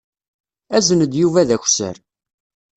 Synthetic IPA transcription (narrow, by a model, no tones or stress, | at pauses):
æzənəd̪juvæðæçʷsə̰ɾ